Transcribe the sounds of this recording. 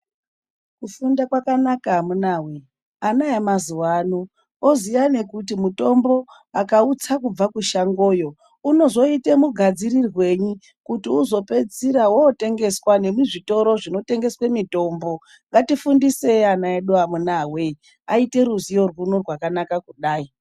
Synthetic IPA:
kufundakwakanakamunaːwe̞ | anajemazuwanu | ozijane̞kutimuto̞mbo̞ | akaut͡sakub͡vakuʃaŋɡo̞ːjo̞ | uno̞zo̞itemuɡʱad͡zirirwe̞ɲi | kutiuzo̞pe̞d͡ziɾawoːte̞ŋɡe̞swane̞muʐito̞ɾo̞ʐino̞te̞ŋɡe̞swemito̞ːmbo̞ | ŋɡatifundise̞anaeɗuamunawe | aite̞ɾuzijo̞rwunorwakanakakuɗaːi

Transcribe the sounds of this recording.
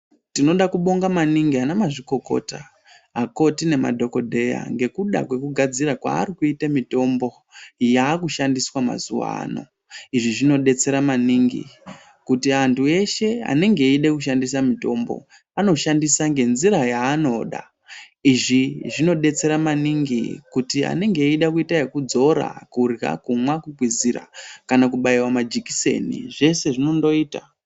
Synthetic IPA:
tino̞ɗakuɓo̞ŋɡamaniŋɡianamaʐiko̞ko̞̰ta | ako̞tine̞ma̰dʱo̞ko̞dʱe̞ja̰ŋɡe̞kuɗa̰kwe̞kuɡʱad͡ziɾakwa̰ːɾikuitamito̞mbo̞ | jaːkuʃandiswama̰zuʋa̰a̰no̞̰ | iʐiʐino̞ɗe̞t͡se̞ɾamaniːŋɡḭ | kutiantʰue̞ʃe̞a̰ne̞ŋɡe̞iɗekuʃ̬andis̬amito̞ːmbo̰ | ano̞ʃandisaŋɡe̞nziɾajaːno̞ɗa̰ | iʐiʐino̞ɗe̞t͡se̞ɾamaniŋɡikutia̰ne̞ŋɡe̞iɗakuitaekud͡zo̞ɾa̰kurɡa̰kumwakuɡʱwizira̰kanakuɓaiwamad͡ʒiki̥se̞̰nḭʐe̞se̞ʐino̞ndo̞iːta

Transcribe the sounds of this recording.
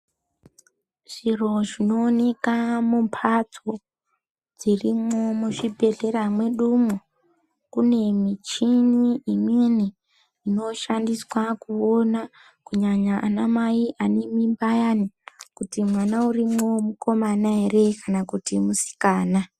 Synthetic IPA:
ʐ̥iro̞ʐino̞ːne̞kamumpʰat͡so | d͡zirimo̞muʐibʱe̞ɮe̞ɾamwe̞ɗumo | kune̞mit͡ʃiniːminiː | no̞ʃandiswakuo̞na | kuɲaɲaʔːnamaiʔanemimbajanikutimwanaurimomuko̞manaere̞kanakutimusi̥kaːna

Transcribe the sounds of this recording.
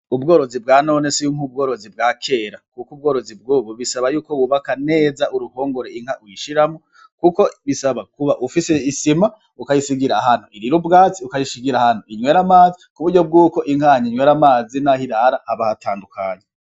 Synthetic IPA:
ubɡo̞ːɾo̞zibɡaːno̞ne̞sijumhub̚ɡo̞ːɾo̞zib̚ɡaːkʰe̞ːɾakukubɡo̞ːɾo̞zib̚ɡuːβoβisaβajuːko̞wuβakane̞ːzaʔuɾuho̞ːŋɡo̞ɾeiŋhawiʃiɾamo | kuko̞βisaβakuβaʔufiseisima | ukajisiɡiɾahan̥oʔiɾiɾubɡaːt͡siukajisiɡiɾahan̥oʔiɲwe̞ːɾamaːzikuβuɟo̞b̚ɡuːko̞ʔiŋhaɲiɲwe̞ːɾamaːzinahiɾaɾaːβahatʰaːndukʰa̰ːɲe

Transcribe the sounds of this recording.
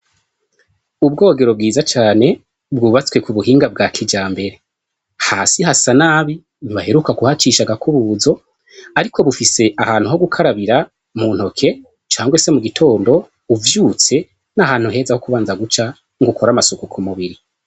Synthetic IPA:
ubɡo̞ːɡe̞ɾo̞b̚ɡiːzat͡ʃaːne̞ | bɡuːβat͡skwe̞kuβuhiːŋɡab̚ɡaːkʰid͡ʒaːmbe̞ɾe̞ | haːsiɦasanaːβi | βahe̞ɾukakuhat͡ʃiʃaɡakʰuβuːzo̞ | aɾikʰo̞βufise̞ʔahaːn̥huɦo̞ɡukʰaɾaβiɾa | mun̥ho̞kʰe̞ | t͡ʃaːŋɡwe̞se̞muɡitʰo̞ːndo̞ | uvjuːt͡se̞ | nahaːn̥huɦe̞ːzahokuβaːnzaɡut͡ʃa | ŋɡukʰo̞ɾamasukukʰumuβiɾi

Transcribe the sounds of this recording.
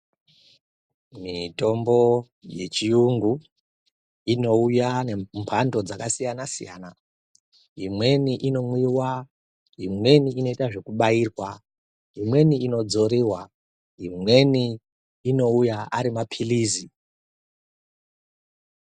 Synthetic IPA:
mito̞mbo̞ | je̞t͡ʃijuŋɡu | ino̞ujanempʰando̞d͡zakasijanasḭja̰ːna | imwe̞niʔino̞mwiwa | imwe̞niino̞itaʐe̞kuɓaiːrwa | ɦimwe̞niino̞d͡zo̞ɾiwa | imwe̞niː | no̞ujaaɾimapʰiliːzi

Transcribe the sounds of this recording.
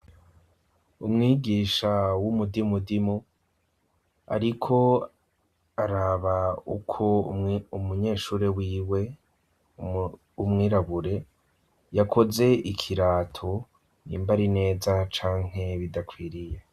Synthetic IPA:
umŋiːɡiːʃawumudimudimu | a̰ɾikʰo̞ | aɾaːβaṵkʰo̞umuɲe̞ːʃuːɾewiːwe̞ | umŋiːɾaβuɾe̞ | jakʰo̞ze̞ʔikʰiɾaːtʰo | nḭːmbaɾine̞ːzat͡ʃaːŋ̥e̞βidakwiːɾije

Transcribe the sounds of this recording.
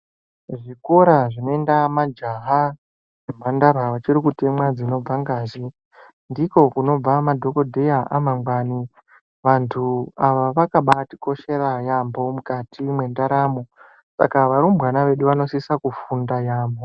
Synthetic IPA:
ʐiko̞ɾaʐino̞e̞ndamad͡ʒaɦa | em̤andaɾaʋat͡ʃiɾikutemwad͡zino̞b͡vaŋɡaːʒe | ndiko̞kuno̞b͡vamadʱo̞ko̞dʱejaʔa̰maŋɡwaːni | ʋantʰuaʋaʋakaɓati̥ko̞ʃe̞ɾajambo̞mukatʰimwe̞ndaɾaːmo̞ | sa̰kaʋaɾumbwanaʋe̞ɗuʋano̞sisakufundajaːmbo̞

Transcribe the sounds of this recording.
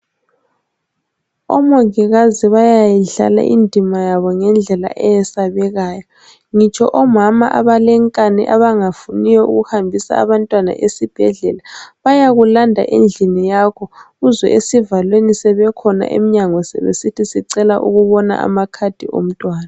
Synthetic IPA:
ɔ̰mɔŋiɣaziβajajiɮa̰la̰ʔindʱʼimajaβɔŋɛnd͡ɮʱɛla̰ʔɛjɛsaβɛɣaːjɔ | ŋit͡ʃʰʼɔ̰ʔɔmama̰ʔa̰βalɛŋkʼaniʔaβaŋafunijɔṵɣuhambʱisa̰a̰βantʼwana̰ʔesib̥ʱɛɮɛlaβajaɣulandʱa̰ʔend͡ɮʱinijakʰɔɣuzwɛ̰ʔesivalwenisɛβɛkʰɔna̰ʔḛmiɲaŋɔsɛ̰βesitʰisiǀɛlaʔṵɣuβɔna̰ʔa̰makʰad̥ʱiʔo̰m̩tʼwaːna

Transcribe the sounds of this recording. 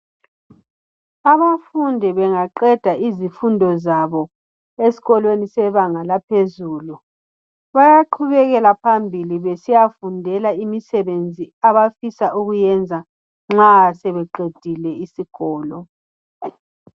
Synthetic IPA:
aβafundʱɛβɛŋaǃɛd̥ʱaʔizifundʱɔzaβɔ | esi̥ɣɔlwenisɛβaŋalapʰezuːlu | βajaǃʰuβɛɣɛlapʰambʱiliβesijafundʱɛlaimisɛβend͡zʱiaβafisaʔuɣujɛnd͡zʱa | ŋ͡ǁasɛβɛǃed̥ʱilɛisiɣ̥ɔːlɔ

